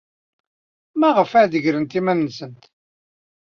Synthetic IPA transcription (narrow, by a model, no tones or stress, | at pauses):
mæʁəfæðəʝɾənt̪imænːsənt̪